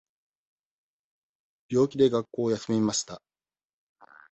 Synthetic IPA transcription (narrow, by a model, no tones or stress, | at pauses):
b̥ʲjo̞ːkʲid̪e̞ɡakːo̞ːjasɨmemaɕi̥t̪a